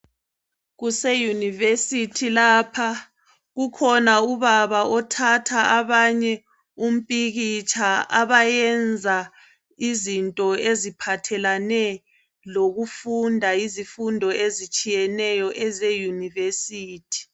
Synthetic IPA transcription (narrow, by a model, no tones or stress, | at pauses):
ɣusejunivesitʰilaːpʰa | ɣukʰɔnauβaβaɔtʰatʰaaβaɲɛ | um̩pʼiɣit͡ʃʼʰaaβajɛnd͡zʱa | izintʼɔezipʰatʰɛlanɛ | loɣufundʱaizifundʱɔʔezit͡ʃʼijɛnɛjɔʔɛzejunivesiːtʰi̥